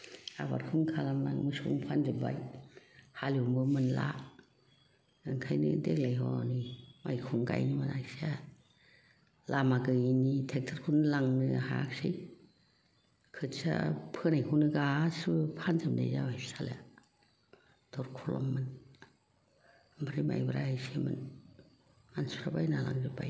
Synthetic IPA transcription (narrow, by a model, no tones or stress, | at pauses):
a̰ba̰ɾkʰɯŋkʰalamnaŋmɯsṵŋpʰanzɯba̰j | haliumbɯmɯnla̰ | ɯŋkʰajnɯ̰deklajɦɔnimajkʰuŋɡa̰jnimanajsa | lamaɡɯinitʰek̚tʰaɾkʰunɯlaŋnɯɦaksɯj | kʰɯtsa̰pʰɯnajkʰuwnɯɡasɯpʰanzɯmdḛjzawajsala | d̥ɔɾkʰulɔmːɯn | baɾima̰jbɯɾaajsemɯ̰n | ansuɾabajnala̰ŋzɯbʰaj